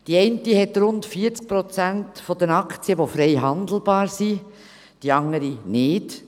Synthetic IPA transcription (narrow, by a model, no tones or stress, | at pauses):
d̥iɛɪntiɦɛtɾʊntfiəɾt͡sk̚pɾɔt͡sæntfɔd̥̪ənɑkt͡siəʋofɾɛjɦɑnd̪l̩bɑːɾsi | d̥iɑŋəɾinɪːd